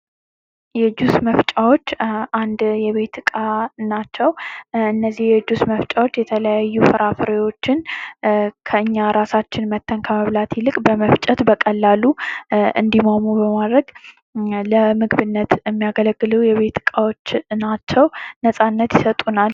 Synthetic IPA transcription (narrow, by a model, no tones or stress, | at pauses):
jɛd͡ʒusməft͡ʃʼawo̞t͡ʃːʔand̪jɛβe̞t̪ʰɨkʼanat͡ʃːɛwɨnːəzːihjɛd͡ʒusməft͡ʃʼawo̞t͡ʃːjɛt̪ʰələjajːufəɾafɨɾewo̞t͡ʃːɪn | kʰəɨɲːaɾasat͡ʃːɪnmət̪ʰːənkʰəməβlat̪ʰɪlɨkʼbəməft͡ʃʼət̪bəkʼəlːaluɨ̰nd̪imomubəmad̪ɾəɡ | ləmɨɡβɨnːət̪jɛmːijaɡələɡːɨləwjɛβe̞t̪ɨkʼawo̞t͡ʃːnat͡ʃːɛwnəsʼanːət̪jɪsət̪ʼunal